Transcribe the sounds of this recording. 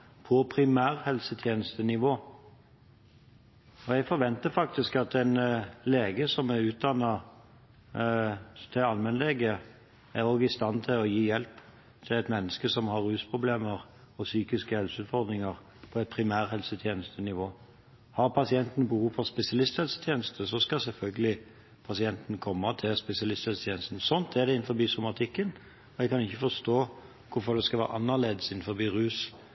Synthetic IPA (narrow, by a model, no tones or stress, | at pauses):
pʰɔpʰɾɪmæːʁhɛlsət̪ʰjeːnəst̪ənɪʋoː | ɔɛɡfɔɾʋɛnt̪əfɑk̚t̪ɪskɑt̪ɛɪnleːɡəsɔmæʉːt̪̚d̪ɑnːɑ | t̪ʰɪɑlmɛnleɡə | æɾoːɡɪst̪ɑnt̪ʰɪlɔjiːjɛlp | t̪ʰɪlɛɪt̪mɛnːəskəsɔmhɑɾːʉːspʰʁʊbleːməʁ | ɔsyːkɪskəhɛlsəʉːt̪fɔɾd̪ɾɪŋəɾ | pʰɔɛt̪̚pʰɾɪmæːɾhɛlsət̪ʰjeːnəst̪ʰənɪʋoː | hɑɾpʰɑsɪɛnt̪n̩bəhuːfɔspɛsɪɑlɪst̪hɛlsə̥t̪ʰjeːnəst̪əs̬ɔskɑsɛlfœlɡəlɪ | pʰɑsɪɛnt̪n̩kʰɔmːət̪ʰɪspɛsɪɑlɪst̪hɛlsət̪ʰeːnəst̪n̩sɔnt̪ʰɛd̪ɛɪnfɔɾbiːsʊmɑt̪ʰɪkːən | ɔɛkʰɑnɪçːəfɔst̪oː | kʰʊfɔd̪ɛskɑʋæ̰ːɾʔɑnːəleːd̪əsɪnn̩fɔbiːɾʉːs